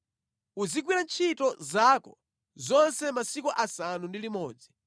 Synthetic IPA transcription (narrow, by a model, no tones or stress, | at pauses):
uzik̬wiɾant͡ʃʰitɔzakɔ | zɔnsɛmasikuʔasanundilimɔːd͡zi